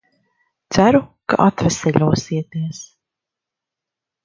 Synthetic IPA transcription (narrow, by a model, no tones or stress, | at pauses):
t̪sæɾuka̰ʔat̪vɛsɛʎʲuɔsiɛt̪iɛs